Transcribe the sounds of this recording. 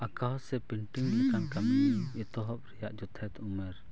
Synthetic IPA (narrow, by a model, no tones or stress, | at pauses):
akaɦɔsɛpiɳʈiŋlɛkankaminiɛt̪ɔɦɔp̚ɾɛjaʔd͡ʒɔt̪ʰɛt̪umɛɾ